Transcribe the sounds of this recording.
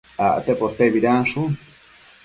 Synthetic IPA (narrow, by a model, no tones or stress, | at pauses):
aʔt̪epot̪eβiɾaʂu